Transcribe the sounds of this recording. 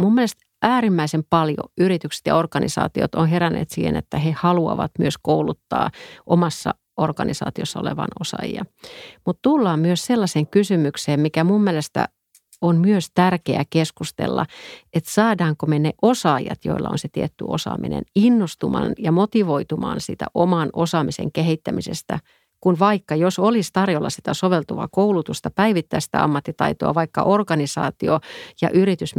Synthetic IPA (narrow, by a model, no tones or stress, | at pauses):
mumːielest̪ | ʔæːrimːæisempɑljo̰yɾit̪ykse̥t̪jɑ̰orkɑnisɑ̰ːt̪iot̪onɦeɾænːˑḛːt̪sḭːhḛnet̪ːæhehɑluɑʋɑt̪myøskoulut̪ːɑ̰ːʔomɑsːɑ̰ | orkɑnisɑ̰ːt̪iosːɑo̰leʋɑ̰nosɑ̰jḭɑmut̪t̪ulːɑːmmyøsselːɑseːŋkysymykseːmmikæmummielest̪æ̰ | onmyøst̪ærkeækeskust̪ḛlːɑ̰et̪sɑːdɑːŋkomeneʔosɑːjɑ̰t̪jo̰ilːɑ̰o̰nset̪iet̪ːy̰o̰sɑ̰ːmḭnḛninːost̪umɑ̰ːnjɑmot̪iʋoit̪umɑ̰ːnsḭt̪æ̰ʔomɑnosɑːmisḛŋkehit̪ːæmisḛst̪æ̰ | kunʋɑikːɑjosolist̪ɑrjolːɑ̰si̥t̪æsoʋelt̪uʋɑ̰koulut̪ust̪ɑpæiʋit̪ːæːsi̥t̪æ̰ɑ̰mːɑt̪ːit̪ɑ̰it̪oɑ̰ʋɑikːɑ̰ʔorkɑnisɑ̰ːt̪iojɑ̰ʔyrit̪ys